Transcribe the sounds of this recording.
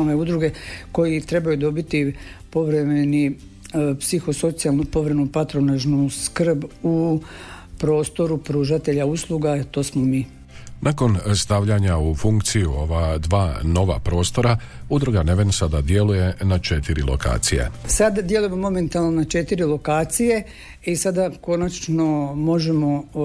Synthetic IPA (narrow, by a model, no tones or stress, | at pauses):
oʋeud̪ɾuɡe̞ko̞jit̪ɾe̞bajud̪o̞bit̪i | po̞ʋɾe̞meni | psixo̞so̞t̪sijalˠnupo̞ʋɾemenupat̪ɾo̞naʒnuskr̩bu | pɾo̞ːst̪o̞ɾupɾuːʒat̪e̞ʎauslˠuɡat̪o̞ːsmomiː | nʔakonst̪aʋʎaɲaufuŋkt̪sijuo̞ʋad̪ʋaːno̞ʋa̰pɾo̞ːst̪o̞ɾa | ud̪ɾoɡaneʋensad̪ad̪je̞luje̞nat͡ʃet̪iɾḭlˠo̰ka̰ːt̪sijḛsad̪d̪jeluje̞mo̞mo̞me̞nt̪alˠnonat͡ʃe̞t̪iɾilo̞kaːt̪sije̞ | isad̪ako̞nat͡ʃno̞mo̞ʒemo̞